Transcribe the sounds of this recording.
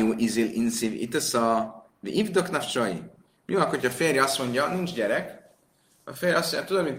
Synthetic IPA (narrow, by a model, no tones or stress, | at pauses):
uːʔizilḭnsivḭt̪ɛsɒ | vḭʔivd̪oknaft͡ʃoḭ | miɒkocʰɒfeːrjɛɒst̪mo̞ɲɟɒnint͡ʃɟɛɾɛk | ɒ̰feːrjɒsmoɲjat̪ud̪omi